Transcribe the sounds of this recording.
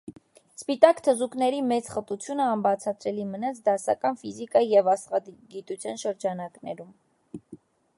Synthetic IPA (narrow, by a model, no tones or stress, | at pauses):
spit̪ɑkt̪ʰəzuknɛɾimɛt͡sχət̪ut͡sʰjunəɑmbɑt͡sʰɑt̪ɾɛlimənɑt͡sʰd̪ɑsɑ̰kɑnfizikɑijɛvɑsχɑd̪ɡit̪ut͡sʰjɑnʃəɾd͡ʒɑnɑknɛ̰ɾum